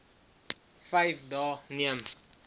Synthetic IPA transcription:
fɛjfdɑːniəm

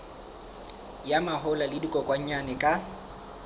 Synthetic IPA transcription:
jamaɦʊlalɪdikʼɔkʼwaɲ̩ɲanɛkʼa

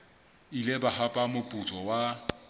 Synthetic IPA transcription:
ilebahapʼamʊpʼʊt͡sʼɔwa

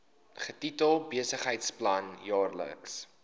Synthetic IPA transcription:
χətitəlˠbiəsəχɦəjtsplɐnjɑːrlə̰ks

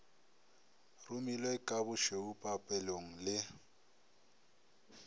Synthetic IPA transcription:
rʊmilweɪkʼaβʊʃeupʼapʼɛloŋ̩lɪ

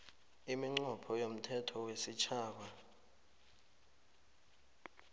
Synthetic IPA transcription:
imiŋ͡ǀɔpʰɔjom̩tʰɛtʰɔwesit͡ʃʰaːk̬a

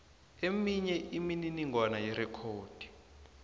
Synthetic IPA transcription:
emiɲɛʔimininiŋwanajɛɾɛkʰoːd̥ʱi̥

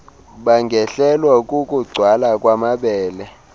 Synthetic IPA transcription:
ɓaŋɡʱɛɬɛlwakʼukʼuɡ͡ǀʱwalakʼwamaɓɛːlɛ

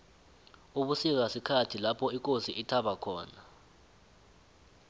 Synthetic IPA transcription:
uɓusik̬asikʰatʰilapʰɔik̬ʼosiʔitʰaɓakʰɔːna

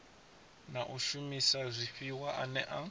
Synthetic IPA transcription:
naʔuʃumisazʷiɸiwaʔanɛʔa

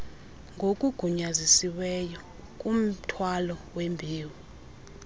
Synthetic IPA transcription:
ŋɡʱokʼuɡ̥ʱuɲazisiwɛjɔ | kʼum̩tʰwalɔwembʱiːwi

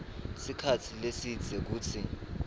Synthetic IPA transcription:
sikʰat͡sʰilesid̥d͡z̥ʱek̬uːtʰi

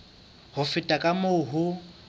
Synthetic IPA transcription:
hʊfɪtʼakʼamʊːɦʊ

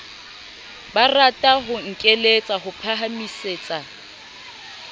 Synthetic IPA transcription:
baratʼaɦʊŋ̩kʼelet͡sʼaɦʊpʰaɦamiseːt͡sʼa

